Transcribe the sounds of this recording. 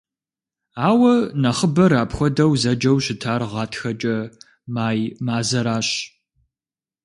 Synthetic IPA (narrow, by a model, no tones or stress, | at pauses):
aːwɐnɐχəbɐɾaːpxʷɔdɐwzɐd͡ʒɐwɕɪtʰaːrʁɑːtʰxɐt͡ʃʼɐ | maːjmaːzɐɾaːɕ